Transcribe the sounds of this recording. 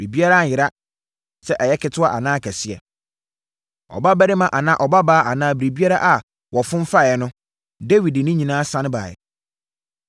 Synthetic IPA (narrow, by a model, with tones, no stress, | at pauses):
bɾi˨bi˦a˦ɾa˦˨jɪ˨ɾa˦ | sɛ˦ʔɛ˨jɛ˦kʰɪ˨tʰʊ˦a˦ʔa̰˨nãː˦kʰæ˨si˦ɛ̰˨ | ɔ̰˨ba˦bæ˦ɾɪ˦mã˨ʔa˨nã˦ʔɔ˨ba˦baː˦ʔa˨nãː˦bɾi˨bi˦a˦ɾa˦ʔa˨ | wɔ˨fʊ̃˦m˦fa˦˨ɛ˨nʊ̃˦ | de˦wi˨dnʊ̃˦ɲĩ˨nãː˦sã˦n˦ba̰ː˨ɪ̰˨